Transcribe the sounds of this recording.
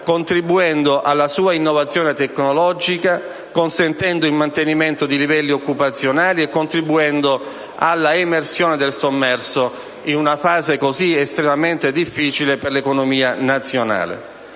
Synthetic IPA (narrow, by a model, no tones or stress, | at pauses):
kont̪ɾibuɛnd̪oʔalːasuːainːovat̪sːjɔːnet̪ekːnolɔd͡ʒika | konsent̪ɛnd̪oilmant̪eniment̪od̪ilivɛlːiokːupat̪sːjonaːliekːont̪ɾibuɛnd̪o | alːaemersjoːned̪elsomːɛrso | inunafaːzekoziest̪ɾemament̪ed̪ifːiːt͡ʃileperlekonomiːanat̪sːjona̰ːlḛ